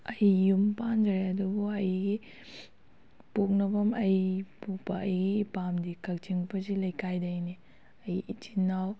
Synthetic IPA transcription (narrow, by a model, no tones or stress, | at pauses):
ɐjːumpand͡ʒɐɾeɐdubuɐjɡi | puk̚nɐbɐmɐjpuk̚pɐɐjɡiːpamdikʰɐk̚t͡ʃiŋpʰɐzilɐjkʰajdɐjni | ɐjːtinːaw